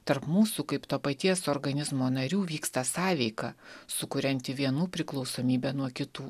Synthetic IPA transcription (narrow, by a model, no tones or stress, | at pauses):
t̪ɐɾpmuːsukɐɪpt̪oːpɐt̪ʲiɛsoːɾɡɐnʲɪzmoːnɐɾʲuːʋʲiːkst̪ɐsɑːʋʲɛɪkɐsʊkʊɾʲɛnʲt̪ʲɪʋʲiɛnuːpʲɾʲɪklˠɒʊsoːmʲiːbʲɛnuɔkʲɪt̪uː